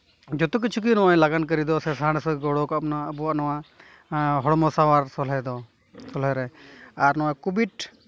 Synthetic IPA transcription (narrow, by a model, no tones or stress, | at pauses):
d͡ʒɔt̪uk̬it͡ʃʰuk̬inɔwajlaɡank̬əɾid̪ɔsɛsaɽ̃sɔɡɔɽɔkap̚naaəbɔwaʔnɔwaʔ | ɦɔɽɔmɔsawaɾsɔlɛd̪ɔ | sɔlɛɾɛaɾnɔwakubiʈ